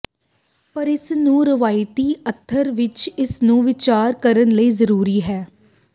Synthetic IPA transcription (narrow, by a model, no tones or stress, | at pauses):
pəɾɪsnũːɾəʋaːɪt̪iːət̪ʰːəɾʋɪt͡ʃɪsnũːʋɪt͡ʃaːɾkəɾənləiːzəɾuːɾiːɦɛː